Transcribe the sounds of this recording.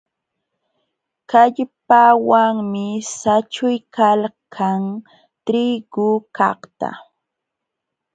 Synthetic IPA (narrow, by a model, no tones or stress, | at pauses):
kaʎpawaŋmɪsat͡ʃʊjkalkʰaŋ | t̪ɾiɡ̥ʊkɑχt̪a̰